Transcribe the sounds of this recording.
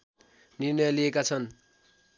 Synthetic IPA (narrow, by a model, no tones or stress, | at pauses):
nirnʌjliekat͡sʰʌn